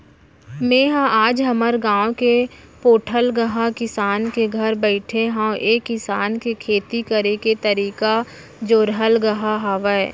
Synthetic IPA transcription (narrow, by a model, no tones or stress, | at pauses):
mẽːɦãʔaːd͡ʒɦəməɾɡãːoke | poːʈʰəlɡəɦakɪsaːnkeɡʱəɾbəɪʈʰeɦãwʔeːkːɪsaːnkekʰeːt̪ikəɾeket̪əɾiːka | d͡ʒoːɾɦəlɡɐɦaɦaːʋəɛ